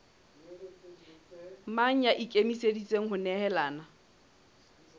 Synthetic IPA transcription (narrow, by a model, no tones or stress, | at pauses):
maŋ̩jaʔikʼemisedit͡sʼeŋ̩ɦʊnɛhɛlaːna